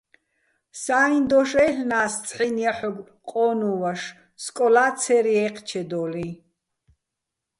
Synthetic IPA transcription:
saːind̪ɔʃɛɬnaːst͡sʼħiniaħɔɡ | qʼɔːnuvaʃ | skʼɔlaːt͡sʰɛɾiɛqʰt͡ʃʰɛd̪ɔːlĩ

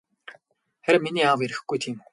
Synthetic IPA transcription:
xæɾɘ̆mːiniːaweɾɘ̆xɡujt̪ʰiːm

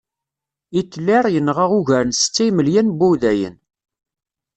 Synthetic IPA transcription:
it̪ːlːɪɾˤjənːʁaʁuʝæɾənsə̥t͡sːijməljænbuwðæjə̰n

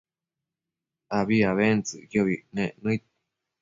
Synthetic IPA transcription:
aβiaβent͡sɨ̰kjoβinẽnɨ̃it̪̚

